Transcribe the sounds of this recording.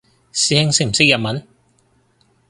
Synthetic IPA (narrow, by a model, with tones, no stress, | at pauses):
siː˧hɪ˥ŋsɪ˥k̚m̩˨˩sɪ˥k̚jɐ˨t̚mɐ˨˥n